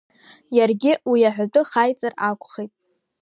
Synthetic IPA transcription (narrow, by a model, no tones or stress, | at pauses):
jarɡʲɪwijaħʷᶣat͡pʷʼʊχajt͡sʼarakʷʰʼχejtʼ